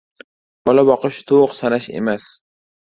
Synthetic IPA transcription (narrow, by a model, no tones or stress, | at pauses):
b̥ɒlabɒqɨʃt̪ʰoqsanaʃe̞̰mas